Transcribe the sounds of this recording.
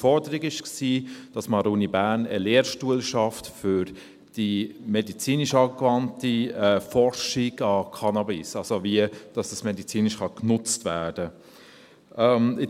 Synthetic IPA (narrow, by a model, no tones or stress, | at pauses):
fɔɾdəɾiɡɪʃksiːd̥ɑsmɑɾuːnibæːɾnə̰leːɾʃtuəlʃɑftfʏɾ | d̥imɛdit͡siːniʃɑːkvɑntiɛfɔɾʃiɡɑkʰɑnɑbisɑlsoviəd̥ɑsd̥ɑsmɛdit͡siːnɪʃχɑknʊt͡stvæːd̥ə | ʔɛmɪ